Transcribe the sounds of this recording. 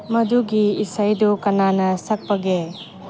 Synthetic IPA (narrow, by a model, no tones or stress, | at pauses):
mɐd̪uɡiisɐjd̪ukɐnaːnɐsɐk̚pɐɡe